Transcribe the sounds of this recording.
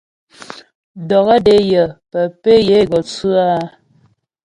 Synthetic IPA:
dɔ˨ɣə˦de˨˦jə˨pə˨pe˦je˨˦˨ɡɔ˨t͡sʉ˦a˦

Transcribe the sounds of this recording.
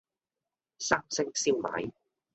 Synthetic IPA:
saː˥ŋsɪ˥ŋsiː˥wma̰ː˨˥j

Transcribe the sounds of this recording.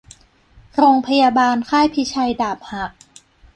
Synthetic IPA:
ɾoː˧ŋpʰa˧jaː˧baː˧nkʰaː˥˩jpʰi˦˥t͡ɕʰa˧jdaː˨˩p̚ha˨˩k̚

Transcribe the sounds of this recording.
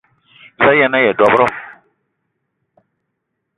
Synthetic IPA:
la˦jɛ˨na˦jɛ˨dɔ˨˦bɾʊ˦

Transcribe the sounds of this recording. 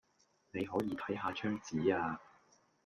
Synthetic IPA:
ne˨˧jɦɔː˨˥jiː˨˧t̪ʰɐ˨˥jɦaː˧t͡ʃʰœː˥ŋt͡siː˨˥aː˧

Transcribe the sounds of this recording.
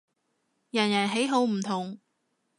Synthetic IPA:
jɐ˨˩njɐ˨˩nɦe˨˥jɦo˨˧wm̩˨˩t̪ʰʊ˨˩ŋ

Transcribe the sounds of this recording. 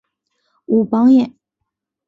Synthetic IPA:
u˨˩pɑ˧˥ŋjɛ˨˩˦n

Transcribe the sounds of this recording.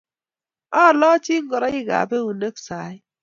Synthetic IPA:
ɔ˦˨lɔ˦t͡ʃi˦ŋ̩˦ɡɔ˨ɾɔ˦i˦ɡa̰˨be˦u˨ne˦k̚sa˨˦j

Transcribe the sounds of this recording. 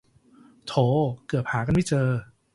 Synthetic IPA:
t̪ʰoː˨˧˦kɯ˨˩əp̚haː˩˦k̬a˧nma˥˩jt͡ɕɤː˧

